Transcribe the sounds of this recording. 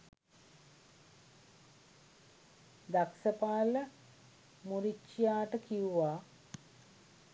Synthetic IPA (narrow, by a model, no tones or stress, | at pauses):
d̪aksəpaːlə | muɾit͡ʃːijaːʈəkiuʋaː